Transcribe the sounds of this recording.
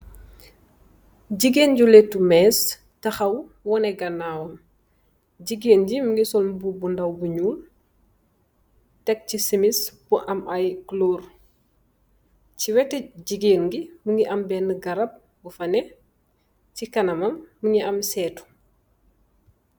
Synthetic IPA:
ɟiɡeːnɟulɛtːumɛːs | tɐxɐw | wɔnɛɡɐnːawɐm | ɟiɡeːnɟimuŋɡisɔlbubundɐwbuɲuːl | tɛk̚cisimisbuʔɐmɐjklor | ciwɛtɛɟiɡeːnɡimuŋɡiʔɐmbɛnəɡɐɾɐp̚ | bufɐnɛ | cikɐnɐmɐmːuŋiɐmsɛːtu̥

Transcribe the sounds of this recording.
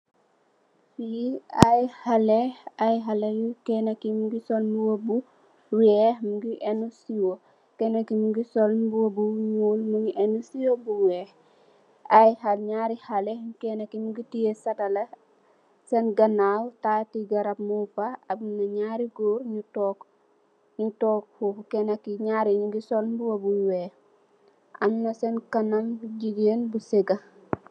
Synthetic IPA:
jiɐjhɐlɛɐjɦɐlɛjukɛnɐkimuɡisɔlmbuwobu | wɛːhmuɡiʔɛnusiwo | kɛnɐkimuɡisɔlbuwobuɲuːlmuŋɡiʔɛnusiwobuwɛːh | ɐjhɐlɲaːɾihɐlɛkɛnɐkimuɡitijesɐtɐlɐ | sɛnɡɐnaːwtaːtiɡɐɾɐp̚mufɐɐbnɐɲaːɾiɡoːɾɲutɔːk | ɲutɔːkfuukɛnɐkːiɲaːɾiɲuɡisɔlbuwobuwɛː | ʔɐmnɐsɛnkɐnɐmɟiɡenbusiɡɐ

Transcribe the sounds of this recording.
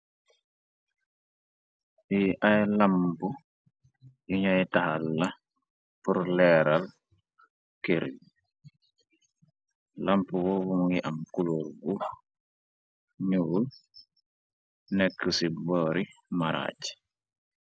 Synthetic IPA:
iʔajlampu | iɲɔjɛtahalːa | puɾlɛɾal | keɾ | lampuwɔwuŋiʔamkuloɾɡu | ɲul | nɛkʰːəsibɔɾimaɾa̰t͡ʃ

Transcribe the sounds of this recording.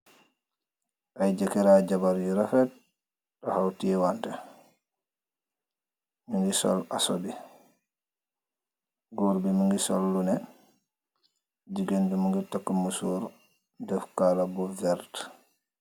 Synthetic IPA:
ʔajd͡ʒɛkɛɾaːd͡ʒabaɾjiɾafɛt̚ | ɗɔhawtiɛwantɛ | miŋɡisɔ̰la̰sɔdi | ɡɔɾbimuŋɡisɔ̰lːunɛ | d͡ʒiɡendumuŋɡitakːumusuɾ | dɛfkaːlabuvɛɾt

